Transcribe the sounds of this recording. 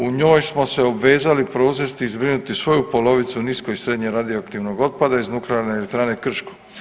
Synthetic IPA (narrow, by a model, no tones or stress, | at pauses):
uɲo̞ːjsmo̞seobʋe̞ːzalipɾo̞uzest̪iizbɾinut̪isʋo̞jupo̞lo̞ʋit̪suniskoisɾe̞d̪ɲeɾad̪ioakt̪iʋno̞ɡo̞t̪̚pad̪aiznukleaɾnelek̚t̪ɾaːne̞kr̩ʃko̥